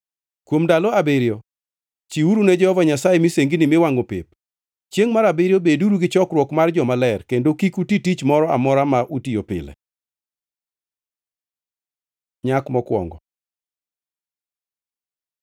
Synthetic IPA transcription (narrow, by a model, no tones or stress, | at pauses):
kwomdalɔabeɾjo | t͡ʃiuɾunɛd͡ʒɛhɔvaɲasajɛmiseŋɡinimɪwaŋopḛp̚ | t͡ʃjeŋmaɾabeɾjobeduɾuɡɪt͡ʃɔkɾwɔkmard͡ʒɔmalɛrkendokikutitit͡ʃmɔɾɔa̰mɔɾamaʔutijopɪ̰lɛ̰ | ɲakmɔkwɔ̰ŋɡɔ